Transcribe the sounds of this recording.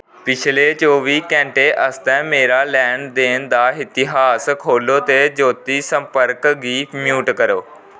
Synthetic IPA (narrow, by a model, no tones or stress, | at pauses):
pɪt͡ɕʰɪlet͡ɕoːʋiːkɛ̃ːɳʈeʔɐst̪ɛ̃meːɾalɛːɳɖd̪eːnɪ̆d̪aɦɪt̪ɪɦaːskʰoːlot̪ed͡ʑoːt̪isɐ̃mpəɾkɡiːmjuːʈkɐɾoː